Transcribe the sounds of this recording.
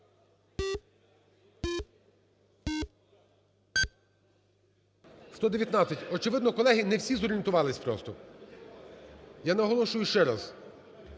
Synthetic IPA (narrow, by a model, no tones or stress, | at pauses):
ʃt̪ɔd̪eʋʲjɐt̪nɑt̪sʲɐtʲɔt͡ʃɪʋɪd̪nɔkɔlˠɛɦinɛwsʲizɔɾʲɪent̪ʊʋɑlˠɪsʲpɾɔ̰st̪ɔ | janɐɦɔlˠɔʃʊjʊʃt͡ʃɛɾɑz